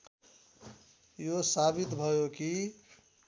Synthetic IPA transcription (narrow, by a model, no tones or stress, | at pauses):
josabit̪bʱʌjoki